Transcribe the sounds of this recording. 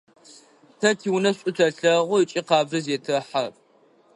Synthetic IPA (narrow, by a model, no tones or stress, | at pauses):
tʰɐtʰiːwnɐɕʼʊtʰɐɬɐʁʷʊɨt͡ʃʼiqɑːbʒɨzeːtʰɨħar